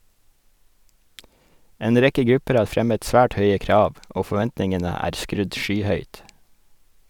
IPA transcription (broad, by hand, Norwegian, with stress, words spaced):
ˈeːn ˈɾɛkə ˈɡɾʉpəɾ ˈɑː ˈfɾɛmət ˈsʋæːʈ ˈhœʏə ˈkɾɑːʋ ˈoː fɔˈʋɛntnɪŋənə ˈæːɾ ˈskɾʉd ˈʃyːˌhœʏt